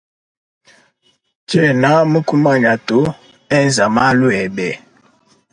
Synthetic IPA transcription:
tɛ˦na˦mə˦ku˦ma˦˨ɲa˨to˦ | ɛ˦˨n˨za˨ma˦lu˦ɛ˨bɛ˨

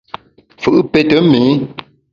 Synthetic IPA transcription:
fɨ˦˨ʔɨ˦pe˦tə˨˦mi˨˦

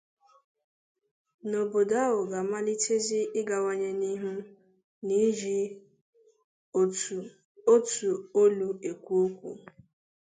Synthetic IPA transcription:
no˨bo˨da˦wʊ˨ɡa˨ma˦li˦tʰe˦zi˦ɪ˦ɡa˨ŋa˦ɲe˦ni˦ɦu˦ | ni˦d͡ʒi˦˨ | o˦tu˨o˦lu˦e˨kʷu˦o˦kʷṵ˨

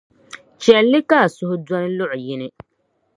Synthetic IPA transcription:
t͡ʃɛ˨lːɪ˦kaː˦˨sʊ˦hʊ˦dɔ˦nɨ˦lʊ˦ʔʊ˨jɪ˦nɨ˦

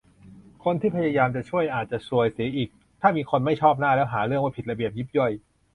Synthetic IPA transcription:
kʰo˧nt̪ʰiː˥˩pʰa˧jaː˧jaː˧mt͡ɕa˨˩t͡ɕʰu˥˩əjʔaː˨˩t̪̚t͡ɕa˨˩su˨˩əjsiː˩˦ʔiː˨˩k̚ | t̪ʰaː˥˩miː˧kʰo˧nma˥˩jt͡ɕʰɔː˥˩p̚naː˥˩lɛː˦˥wɦaː˩˦ɾɯ˥˩əŋwaː˥˩pi˨t̪̚ɾa˧bi˨˩əp̚ji˦˥p̚ju˥˩j

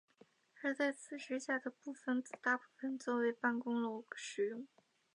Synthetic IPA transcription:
ə˧˥t͡sa˥˩ɪt͡sʰɹ̩˨˩ʂɻ̩˥ɕja˥˩d̪ə˩pu˥˩fə˨˩nt͡sɹ̩˨˩t̪a˥˧pu˥˩fə˨˩nt͡swɔ˥˩we˧˥ɪpa˥˩nkʊ˥ŋlo˧˩˨ɡ̥ə̥˧ʂɻ̩˨˩jʊ˥˩ŋ

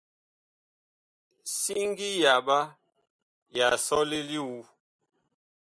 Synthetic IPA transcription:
si˦ŋ˦ɡi˦ja˨ba˦ | ja˨sɔ˦li˦li˦wu˦

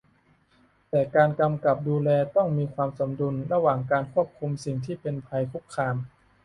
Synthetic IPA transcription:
t̪ɛː˨˩kaː˧nka˧mka˨˩p̚duː˧lɛː˧t̪ɔ˥˩ŋmiː˧kʰwaː˧mso˩˦mdu˧nɾa˧waː˨˩ŋkaː˧nkʰu˥˩əp̚kʰu˧msi˨˩ŋt̪ʰiː˥˩pe˧npʰa˧jkʰu˦˥˩kʰːaː˧m

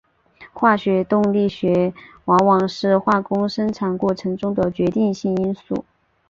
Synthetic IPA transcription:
xwa˥˩ɕɥɛ˧˥t̪ʊ˥˧ŋli˥˩ɕɥɛ˧˥ | wɑ˧˥ŋwɑ˨˩ŋʂɻ̩˥˧xwa˥˩kʊ˥ŋʂə˥nʈ͡ʂʰa˨˩nkwɔ˥˩ʈ͡ʂʰɤ˧˥ŋʈ͡ʂʊ˥ŋd̪ə˨t͡ɕɥɛ˧˥t̪i˥˧ŋɕi˥˩ŋi˥nsṵ˥˩

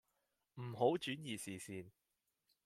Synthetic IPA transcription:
m̩˨˩ɦo˨˥wt͡ʃyː˨˥njiː˨˩siː˨siː˧n

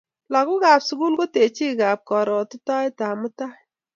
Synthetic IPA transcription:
la˨kʊ˦ka˨psʊ˦ɡu˦lko˦te˨t͡ʃi˦ka˨p̚kɔ˨ɾɔ˨tʊ˦ta˦jta˨mʊ˦ta˦

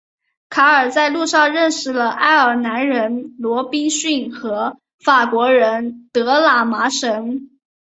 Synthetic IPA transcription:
kʰa˧˥ə˞˨˩t͡sa˥˧ɪlu˥˧ʂɑ˥˧ɻə˥˧nʂɻ̩˨˩lə˩ʔa˥˩ɪə˞˨˩na˧˥nɻə˧˥nlwɔ˧˥pi˥ŋɕy˥˩nxɤ˧˥ | fa˨˩kwɔ˧˥ɻə˧˥nt̪ɤ˧˥la˨˩ma˧˥ʂə˧˥ŋ

